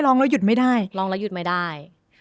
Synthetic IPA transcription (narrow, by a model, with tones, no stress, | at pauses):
lɔː˧˥ŋla˧˦˥wju˨˩t̪̚ma˥˩jdaː˥˩jlɔː˧ŋlɛ˦˥wju˨˩t̪̚ma˥˩jdaː˥˩j